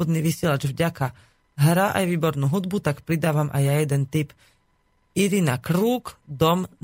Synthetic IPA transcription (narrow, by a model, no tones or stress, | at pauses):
ɔd̪niːʋisɪɛlad͡ʒvɟaka | ɦɾaʔa̰jʋiːbɔɾnuːɦud̪but̪akpɾid̪aːʋamʔa̰jːajɛd̪ɛnt̪ip | iɾinakɾuːkd̪ɔm